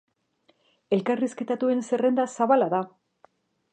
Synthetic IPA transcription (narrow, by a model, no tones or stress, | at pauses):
e̞lkariske̞t̪at̪ue̞nse̞re̞nd̪asaβalaða